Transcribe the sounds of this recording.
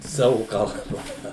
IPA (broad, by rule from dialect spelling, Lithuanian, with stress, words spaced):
ˈsɑːʋʊ kɐlˠˈbɐ